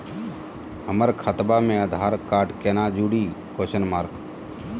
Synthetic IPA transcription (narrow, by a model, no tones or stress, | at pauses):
ɦəməɾkʰət̪bamẽəd̪ʱaːɾkaːʈkeːnaːd͡ʒuːɽiːkoːʃənmaːɾk